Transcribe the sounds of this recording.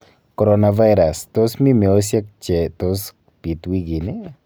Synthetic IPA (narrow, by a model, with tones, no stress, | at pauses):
kɔɾɔna˨va˦jɾa˨stɔ˦smi˦mɛ˨o˦s̬ja˦k̚t͡ʃɛtɔs | pi˨twi˦ɡi˨ni